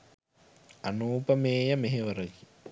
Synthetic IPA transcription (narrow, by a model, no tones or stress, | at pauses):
anuːpəmeːjɐmeɦeʋəɾəki